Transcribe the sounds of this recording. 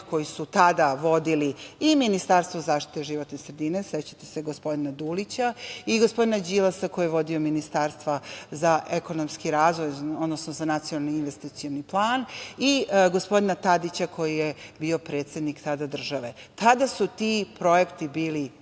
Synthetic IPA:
ko̞jisut̪ad̪aʋo̞d̪iliiminist̪aɾst̪ʋozaːʃt̪i̥t̪e̞ʒiʋo̞t̪nesɾed̪ine̞set͡ɕḁt̪i̥se̞ɡo̞spo̞d̪inad̪ulit͡ɕaiɡospo̞d̪inad͡ʑilˠasako̞jieʋo̞d̪io̞minist̪aɾst̪ʋazaʔeko̞nomskiɾaːzʋo̞jod̪nosnozanat̪sijonalniinʋest̪it̪sioniplˠaːniɡo̞spo̞d̪inat̪ad̪it͡ɕakʰo̞jijebiːo̞pɾe̞ːt̪se̞d̪nikt̪ad̪ad̪r̩ʒaʋe̞t̪ad̪asut̪ipɾo̞jekt̪ibiːli

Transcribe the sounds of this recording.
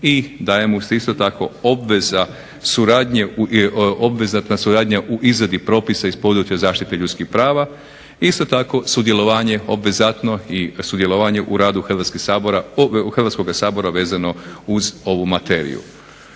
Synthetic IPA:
id̪ajemuseist̪o̞t̪ako̞obʋe̞za | suɾaːd̪ɲe | obʋezat̪nasuɾaːd̪ɲaʔuʔizɾad̪ipɾo̞ːpisaispo̞d̪ɾuːt͡ʃjazaːʃt̪it̪e̞ʎut̪skixpɾaːʋa | ist̪o̞t̪ako̞sud̪je̞lˠo̞ʋaːɲe̞o̞bʋezat̪no̞isud̪je̞lˠo̞ʋaːɲe̞ʔuɾaːd̪uxɾ̩ʋat̪skisaːboɾaxɾʋat̪sko̞ɡasaːbo̞ɾaʋe̞ːzano̞uzo̞ʋumat̪eːɾḭjṵ

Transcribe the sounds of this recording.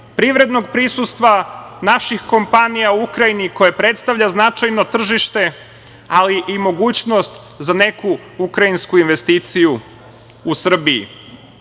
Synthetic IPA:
pɾiʋɾe̞d̪no̞ɡ̚pɾisust̪ʋanaʃixko̞mpanijauukɾajiniko̞jepɾe̞t̪st̪aʋʎaznat͡ʃajnot̪r̩ʒiʃt̪e̞ | aliʔimo̞ɡuːt͡ɕno̞st̪ | zane̞ku | ukɾajinskuinʋe̞st̪iːt̪siju | usr̩biḭ

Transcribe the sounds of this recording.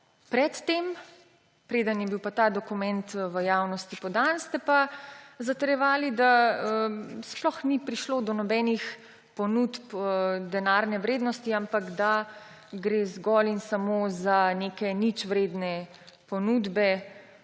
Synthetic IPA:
pɾɛt̪ːem | pɾeːd̪ənjɛbiwpat̪aːd̪ɔkumɛnt̪ʋəjawnɔst̪ipɔd̪anst̪ɛpazat̪əɾjɛʋaːlid̪aəsplɔxnipɾiʃloːd̪ɔnɔbɛnix | pɔnut̪pd̪ɛnaːɾnɛʋɾeːd̪nɔst̪iampaɡd̪a | ɡɾezɡɔlinsamozanekɛnit͡ʃʋɾeːd̪nɛ | pɔnuːd̪bɛ

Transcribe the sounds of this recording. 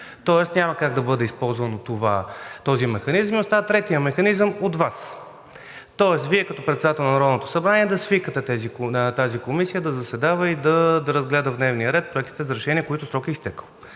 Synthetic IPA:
t̪ɔɛst̪nʲamɐkaɡd̪ɐbɤd̪ɛispɔlˠzvɐnot̪ovat̪ɔzimɛxɐnizminost̪at̪ɾɛt̪ijəmɛxɐnizəmot̪vas | t̪ɔɛsviɛkɐt̪ɔpɾɛt̪sɛd̪at̪ɛlˠnɐnɐɾɔd̪not̪o̥sɐbɾaniɛd̪ɐsvikət̪ɛt̪ɛzit̪azikomisijəd̪ɐzɐsɛd̪avəid̪ɐd̪ɾɐzɡlɛd̪əvd̪nɛvnijəɾɛt̪̚pɾoɛkt̪i̥t̪ɛzɐɾɛʃɛniəkoit̪ʊsɾɔkiist̪ɛkəlˠ

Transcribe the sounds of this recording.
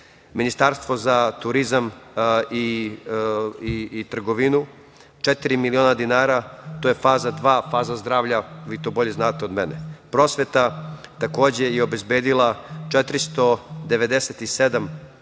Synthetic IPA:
minist̪aɾst̪ʋo̞zat̪uɾizami | it̪r̩ɡoʋinu | t͡ʃet̪iɾimilio̞ːnad̪inaːɾat̪oːjefaːzad̪ʋaːfaːzazd̪ɾaːʋʎaʋiːt̪o̞ːbo̞ʎe̞znaːt̪eo̞d̪menepɾo̞ːsʋe̞t̪at̪ako̞ːd͡ʑe̞jeobe̞zbeːd̪ilat͡ʃet̪ɾist̪o̞d̪eʋe̞d̪eset̪ised̪am

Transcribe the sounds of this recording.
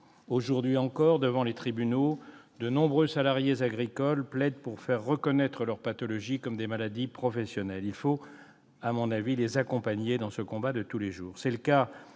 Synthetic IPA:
oʒuʁd̪ɥiɑ̃kɔʁd̪əvɑ̃let̪χibyno | d̪ənɔ̃bʁøsalaʁjezaɡʁikɔlplɛd̪̚puʁfɛʁːəkɔnɛt̪χəlœʁpat̪ɔlɔʒikɔmd̪emalad̪ipχɔfɛsjɔnɛlilfo | amɔ̃navilezakɔ̃paɲed̪ɑ̃səkɔ̃bad̪ət̪uleʒuːʁsɛləka

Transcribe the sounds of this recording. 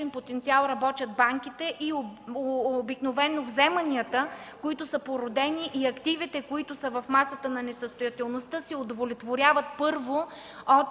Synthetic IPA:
inpot̪ɛnt̪sialˠɾɐbɔt̪ʲjəd̪̚baŋk̟it̪ɛʔio | biknovɛnovzɛmənʲiət̪əkoit̪ʊsəpoɾod̪ɛniʔiɐkt̪ivit̪ɛkoit̪ʊsəvɐfmasət̪ənɐnɛsəst̪ʊjɐt̪ɛlˠnost̪əsiod̪volɛt̪voɾʲavət̪̚pɤɾvo | ɔt̪

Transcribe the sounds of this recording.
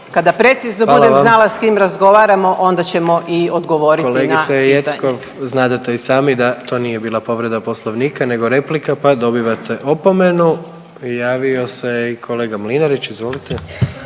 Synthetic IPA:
kad̪apɾe̞t̪siznobaud̪eznalaskimɾazɡo̞ʋaːɾamo̞ʔo̞nd̪at͡ɕe̞mo̞ʔiod̪ɡoʋoɾikoleɡniaejet̪skoʋ | znaːd̪at̪eisaːmid̪at̪o̞ːnijebiːlˠapo̞ʋɾe̞d̪aposlˠoʋniːkane̞ɡo̞ɾe̞plikapad̪o̞biʋat̪ʰeʔopome̞nu | jaːʋio̞sejikʰo̞leːɡamlinaɾit͡ʃizʋo̞lit̪e

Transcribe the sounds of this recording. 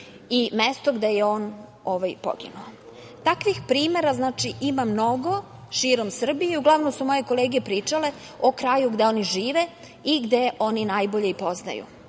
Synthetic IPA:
imest̪oɡd̪e̞jeo̞ːn | oʋajpo̰ɡḭnuo | t̪akʋixpɾiːmeɾaznaːt͡ʂiʔimamno̞ɡo̞ | ʃiːɾo̞msr̩bijeuɡlˠaʋnomsumo̞je̞ko̞leːɡepɾiːt͡ʂale̞ | okɾajuɡd̪e̞o̞ːniʒiːʋe | iɡd̪e̞ʔo̞ninajboʎeipo̞zna̰jṵ

